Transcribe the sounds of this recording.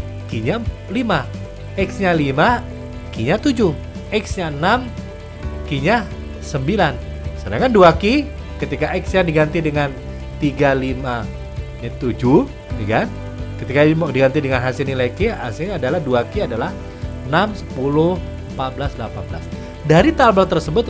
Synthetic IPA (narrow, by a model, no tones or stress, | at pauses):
kiɲa | lima | ɛksɲalima | kiɲat̪ud͡ʒʊh | ɛksɲanam | kiɲa | səmbilan | sənaŋkanduaki | kət̪ikaɛksjadiɡant̪idəŋan | t̪iɡalima | ɲat̪ud͡ʒuh | d͡ʒukan | kət̪ikadiɡant̪idəŋanɦasɪlnilakiasɪɲadalahduakiadalah | ənamsə̥pulʊh | mpat̪̚bəlasdlapanbla̰s | daɾit̪albat̪ərsəbʊt̪̚